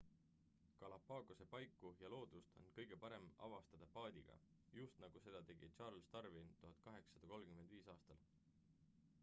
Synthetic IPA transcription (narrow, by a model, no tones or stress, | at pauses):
kɑlɑpːɑːɡose̞pɑjkːˑujɑlo̞ːd̪̥ust̪ʰo̞̰nkɤ̞jɡ̥e̞pɑɾe̞mɑ̰vɑst̪ɑd̪̥ɑpɑːd̪̥ʲiɡ̥ɑ̰ | just̪nɑɡ̥use̞d̪̥ɑt̪e̞ɡ̥it͡ʃɑːɾlst̪ɑrvint̪uɦɑd̪̥̚kɑɦe̞kssɑd̪̥ɑko̞lmkymend̪viːsɑːst̪ɑl